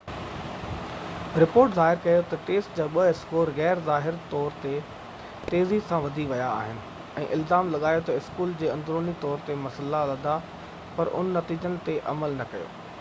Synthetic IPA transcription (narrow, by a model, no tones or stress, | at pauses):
ɾɪpoːɾʈzaːɦɪɾkɐjot̪ɐʈeːsʈd͡ʑaːɓɐɪskoːɾɣɛːɾzaːɦɪɾt̪ɔːɾt̪e | t̪eːzisãʋɐd̪ʱiʋɐjaːɦɪnɪ̆ | ɛ̰̃ːʔɪlzaːmlɐɠaːjot̪ɐɪskuːld͡ʑeːɐ̃nd̪ɾoːnit̪ɔːɾt̪emɐsəlalɐd̪ʱa | pɐɾʔʊ̰nnɐt̪iːd͡ʑənɪ̆t̪eʔɐməlnɐkɐjo̰ː